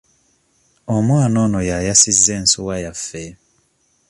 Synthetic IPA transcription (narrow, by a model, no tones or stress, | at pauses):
omwaːnɔnɔjajasizɛn̩suwajafɛ